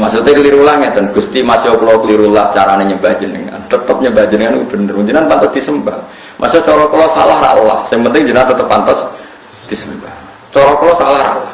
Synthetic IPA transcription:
masut̪aliɾulaŋad̪ənɡ̥ust̪imasiokəlokəliɾulaht͡ʃaɾaneɲəbad͡ʒəndəŋa̰nt̪ət̪əp̚ɲəbad͡ʒəndəŋankub̥ənərmud͡ʒənanpant̪ɔsd̪̥isəmbah | mʔa̰siot͡ʃɔɾɔklɔsa̰laɦra̰la̰hsɪŋpənt̪ɪŋd͡ʒənant̪ət̪əpːant̪ɔs | d̪̥isəmbah | t͡ʃɔɾɔkəlɔsalahɾa̰lah

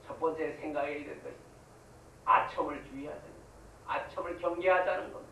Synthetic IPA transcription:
t͡ɕʰʌp̚p͈ʌnt͡ɕ͈esʰeŋɡaɡeiɾekʌsʰ | a̰t͡ɕʰʌmɯɭt͡ɕuiɦadanɯɡ | at͡ɕʰʌmɯɭkjʌŋɡeɦadanɯnɡʌn

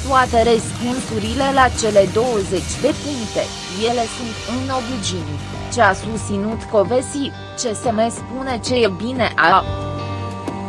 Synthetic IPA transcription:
t̪uat̪eɾəspunsuɾile̞lat͡ʃe̞le̞d̪o̞wəze̞t͡ʃʲd̪e̞puŋkt̪e̞̰ | je̞le̞sunt̪ɨnno̞bid͡ʒin | t͡ʃeasust̪sinut̪ko̞vesi | t͡ʃe̞semespune̞t͡ʃe̞jebineʔa

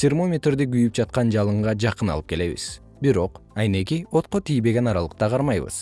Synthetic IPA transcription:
sʲermo̞mʲet̪rd̪iɡyjyp̚d͡ʒɑt̪qɑnd͡ʒɑlˠɯɴʁɑd͡ʒɑqɯnɑ̰lˠɯp̚ke̞le̞βḭz̥ | biɾo̞qɑjne̞kio̞t̪̚qo̞t̪ijbe̞ɡʲe̞nɑɾɑlˠəq̚t̪ɑqʰɑɾmɑjβɯ̰z̥

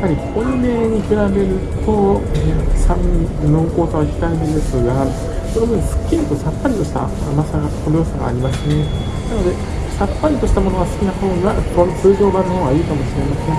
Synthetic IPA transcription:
japːaɾʲikome̞ːɲ̟ikɯɾabe̞ɾɯ̟t̪o̞ | sãmino̞ːkoːt̪oβaçʲi̥t̪aeb̪eɯesoɯa | sonobɯɲisɨ̥kʲːiɾit̪o̞sapːaɾʲit̪o̞ɕi̥t̪a̰masaɡat̪koɾoːsoɡa̰ːɾʲimasɨɲe | nano̞d̪e̞ | sapːaɾʲit̪o̞ɕi̥t̪amo̞no̞ɡasɨ̥kʲinaho̞ːakot͡sɨːʑo̞ːbãnːohõːɡaiɯkamo̞ɕiɾe̞masẽ̞ŋ

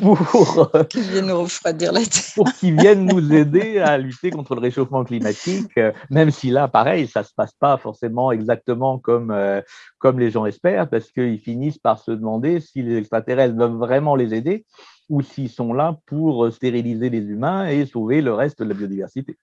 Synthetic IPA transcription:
puʁkilvjɛ̃nːuʁəfχwad̪iʁlat̪ɛ̥puʁkʲilvjɛnːuzed̪ealyt̪ekɔ̃t̪χələʁeʃofmɑ̃klimat̪ikømɛmsilapaʁɛjsasə̥paspafɔʁsemɑ̃ɛɡzak̚t̪əmɑ̃kɔmøkɔmleʒɑ̃ɛspɛʁpaʁsə̥kəilfinispaʁsəd̪əmɑ̃d̪esilezɛkst̪χat̪eʁɛst̪vœvːʁɛmɑ̃lezed̪e | usiilsɔ̃lapuʁəst̪eʁilizelezymɛ̃esoveləʁɛst̪d̪əlabjod̪ivɛʁsit̪e

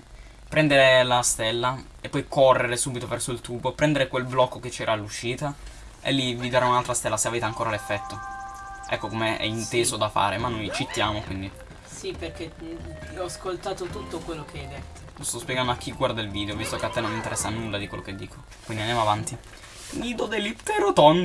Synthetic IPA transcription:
pɾɛnd̪eɾelast̪elːa | epːɔjkorːeɾesuːbit̪ovɛrsoilt̪uːbopɾɛnd̪eɾekwelblɔkːoket͡ʃːɛːɾʔaːlːuʃːiːt̪a | ḛlːivid̪aɾaunalt̪ɾast̪ɛlːaseaveːt̪eaŋkoːɾalefːɛt̪ːoʔɛkːokomeɛ̰int̪eːzod̪afa̰ːɾemanːojt͡ʃit̪ːjaːmokwind̪i | siperk̟e | ɔaskolt̪aːt̪ot̪ut̪ːokwelːokeɛjd̪et̪ːo̥lost̪ɔspjɛɡand̪oak̟ːiɡːward̪ailviːd̪eovist̪okeat̪ːɛnːonmːint̪eɾɛsːanulːad̪ikwelːʔo̰ked̪ːḭːkʰo | kwind̪iand̪jamavant̪i | nid̪od̪elːit̪eɾot̪on

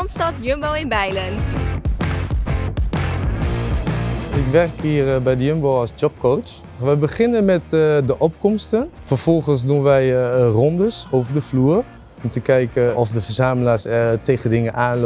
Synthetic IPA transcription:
nstɔt̚djømbowɪnbɛjlən | ɪkʋɛrkiːərbɛjdəjømbowɔsd͡ʒɔp̚kowt͡ʃ | ʋɛjbəχɪnənmɛtdəʔɔp̚kɔmstənfərfɔlˠχəns̬dunʋɛjrɔndəsowvərdəfluːər | ɔmtəkɛjkəɔfdəfərzaːməlaːsteːɣədɪŋənʔaːnl

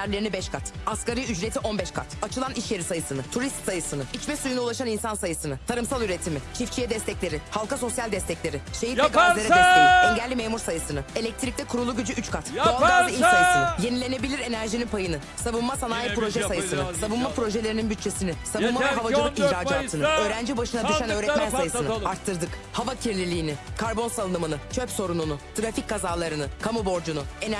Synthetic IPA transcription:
æɾlʲe̞ɾinibɛʃkʰat̪askaɾijyd͡ʒɾet̪ʰiʔonbɛʃkʰa̰t̪at͡ʃʰɯlˠaniʃjeɾisajɯsɯnɯt̪ʰuɾist̪sajɯsɯnɯit͡ʃmɛsujunaulˠaʃaninsansajɯsɯnɯt̪ʰaɾɯmsalˠyɾet̪ʰimɪt͡ʃʰift͡ʃʰijɛd̪ɛst̪ʰɛclʲe̞ɾɪhalˠkaso̞sjalʲd̪ɛst̪ɛclʲe̞ɾɪʃejiɾɛkaalʲeɾɛɛseiɛɲɟɛlʲːimeːmuɾsajɯsɯnɯe̞lʲɛc̚t̪ʰɾic̚t̪ɛkʰuɾulˠuɟyd͡ʒyyt͡ʃkʰat̪d̪oalˠɡ̪aɾd̪ɯiajɯsɯnɯje̞nilʲe̞ne̞bilʲiɾe̞næɾʒininpʰajɯnɯ | saβɯnmasanaːjipɾo̞ʒɛsajɯsɯnɯsabɯnmapɾo̞ʒe̞lʲeɾininbyt̪̚t͡ʃʰe̞sinɪsabɯnmavɛɦavad͡ʒɯlˠɯkiçɾaːd͡ʒ̪aːt̪ʰɯnɯø̞ːɾænd͡ʒibaʃɯnad̪ɯʃanø̞ːɾɛt̪mænsajɯsɯnɯaɾt̪ʰːɯɾd̪ɯkhavacʰiɾlʲilʲiːnɪkʰaɾbo̞nsalˠɯnɯmɯnɯt͡ʃʰøpso̞ɾununʊt̪ʰɾafickʰːazaːlˠaɾɯnɯkʰamubo̞ɾd͡ʒunuen

